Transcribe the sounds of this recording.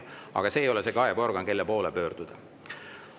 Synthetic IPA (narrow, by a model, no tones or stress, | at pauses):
ɑ̰ɡ̥ɑse̞ːjo̞lese̞kɑebo̞rɡ̥ɑnke̞lːepo̞ːlepø̞ːrd̪̥ud̪̥ɑ